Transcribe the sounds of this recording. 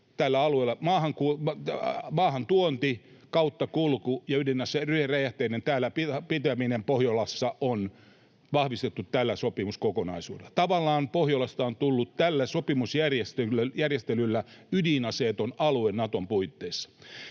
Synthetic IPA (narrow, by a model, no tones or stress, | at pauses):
t̪ælːæɑlueːlːɑmɑːhɑŋku | mɑːhɑnt̪uont̪ikɑut̪ːɑkulkujɑydinɑseryheræjæht̪einent̪æːlːæpipit̪æminempohjolɑsːɑʔon | ʋɑhʋist̪et̪ːut̪t̪ælːæsopimuskokonɑ̰isṵːdelɑt̪ɑʋɑlːˑɑːnpohjolɑst̪ɑont̪ulːut̪t̪ælːæsopimusjærjest̪ejærjest̪elylːæydinɑseːt̪onɑluennɑt̪ompuit̪ːeːsːɑ̥